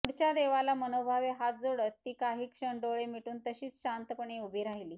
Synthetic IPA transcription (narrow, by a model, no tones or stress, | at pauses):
uɽt͡ɕjad̪eʋalamənobʱaʋeɦad͡zoɽət̪ːiːkaɦiːkʂəɳɖoɭemiʈuːnt̪əɕiːt͡sɕant̪əpəɳeubʱiɾaɦiliː